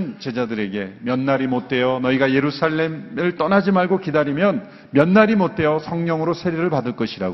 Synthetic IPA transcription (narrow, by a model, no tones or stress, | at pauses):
nt͡ɕe̞d͡ʑadɯɾe̞ɡe̞mjʌnːaɾimot̚t͈ʰe̞jʌnʌiɡaje̞ɾusʰaɭːe̞mɯɭt͈ʌnad͡ʑimaɭɡokidaɾimjʌn | mjʌnːaɾimot̚tʰe̞jʌsʰʌŋɲʌŋɯɾosʰe̞ɾeɾɯɭpadɯɭk͈ʌɕʰiɾa̰ɡo